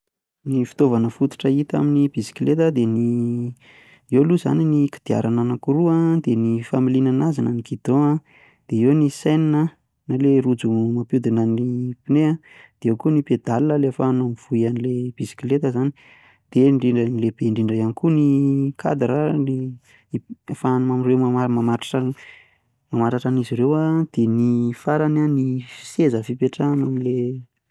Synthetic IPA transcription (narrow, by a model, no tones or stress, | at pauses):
nifi̥t̪ovanəfut̪u̥ʈ͡ʂəit̪a̰minib̥isi̥kilet̪əd̪eni | ewluza̰niniki̥d̪̥ia̰ɾananakuɾuad̪enifamilinanazanaənikid̪̥oa | d̪̥eewnisajninə | nalerud͡zumapud̪inənipinea | d̪̥eewkuniped̪alinəlefanamiv̥uianileb̥isi̥kilet̪əzani̥ | d̪̥eɳɖ͡ʐiɳɖ͡ʐənileb̥eɳɖ͡ʐiɳɖ͡ʐəanikunikʰa̰d̪ɾəni | ifanumamirewmaamamaʈ͡ʂḁʈ͡ʂa | mamaɾaʈ͡ʂaniziɾewad̪̥enifaɾananifi̥sezəfipeʈ͡ʂanamile